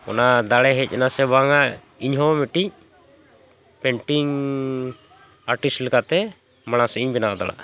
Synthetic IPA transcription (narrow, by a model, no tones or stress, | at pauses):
ɔ̰nad̪aɽɛɦɛc̚ˀɛnasɛbaŋa | iɲɦɔmɛʈic̚ | pɛɳʈiŋ | aɾʈislɛkat̪ɛ | maɽ̃asɛiɲbɛnaʔd̪a̰ɭa̰ʔ